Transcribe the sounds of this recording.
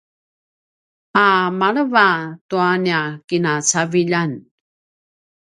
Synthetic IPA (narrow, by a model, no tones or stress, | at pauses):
amaɭəvatuaniakinat͡saviʎan